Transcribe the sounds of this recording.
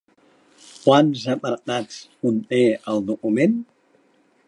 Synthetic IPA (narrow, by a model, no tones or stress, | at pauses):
kwanzəpəɾt̪at͡sunt̪eəlˠd̪ukumen